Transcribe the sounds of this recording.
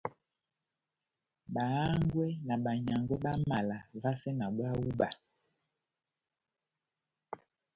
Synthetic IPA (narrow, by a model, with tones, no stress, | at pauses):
ɓa˨a˦ŋɡwɛ˦na˨ɓa˨ɲa˨ŋɡwɛ˦ɓa˦ma˨la˨va˦sɛ˦na˨ɓwa˦wu˦ɓa˨